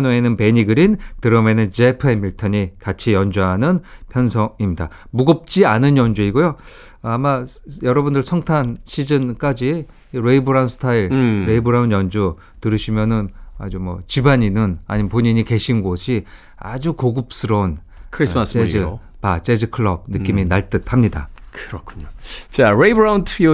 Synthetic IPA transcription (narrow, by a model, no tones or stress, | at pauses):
noe̞nɯnpe̞ɲiɡɯɾintɯɾʌmenɯnd͡ʑe̞pʰɯemiɭtʰʌɲikat͡ɕʰijʌnd͡ʑuɦanɯnpʰjʌnsʰʌimɲida̰ | muɡʌp̚t͡ɕ͈ianɯnjʌnd͡ʑuiɡojo | amajʌɾʌbundɯɭsʰʌŋtʰanɕʰid͡ʑɯnk͈ad͡ʑiː | ɾeibɯɾaunsʰɯ̥tʰaiɭɾeibɯɾaunjʌnd͡ʑu | tɯɾɯɕʰimjʌnɯna̰d͡ʑumwʌ̰t͡ɕibaɲinɯna̰ɲimpoɲiɲike̞ɕʰinɡoɕʰi | a̰d͡ʑukoɡɯp̚s͈ʰɯɾʌun | kʰɾismased͡ʑɯ | pat͡ɕ͈ed͡ʑɯkʰɯɭːʌb̚nɯk͈iminaɭt͈ɯt̚ʰhamɲida̰kɯɾʌkʰu̥ɲot͡ɕaɾeibɾawntʰio